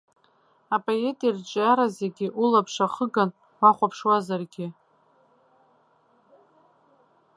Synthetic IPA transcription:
apʼoe̞tʼirt͡ʃʼaɾazeɡʲɪʔulapʰʂaχəɡan | waχʷapʰʂwazarɡʲɪ

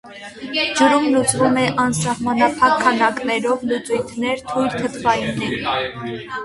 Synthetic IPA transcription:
d͡ʒuɾumlut͡svumɛʔɑnsɑhmɑnɑpʰɑkʰːɑnɑknɛɾɔvlut͡sujt̪ʰnɛɾt̪ʰujlt̪ʰət̪ʰvɑjunɛɾ

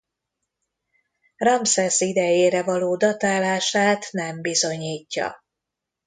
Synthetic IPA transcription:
rɒmsɛsid̪ɛjeːɾɛvɒloːd̪ɒt̪aːlaːʃaːt̪nɛmbizo̞ɲiːcːɒ̰

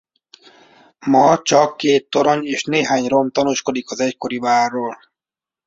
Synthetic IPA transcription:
mɒt͡ʃɒkːeːt̪ːoɾoɲeːʃneːɦaːɲɾomt̪ɒnuːʃkod̪ikɒzɛckoɾivaːrːoːl

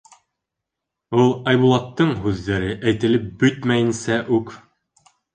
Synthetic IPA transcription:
ulˠɑjbulˠɑt̪ːɤɴɦʉðːæɾɘʔæjt̪ɘ̆lɘp̚bɵt̪mæjɘ̆nsæʔʉk

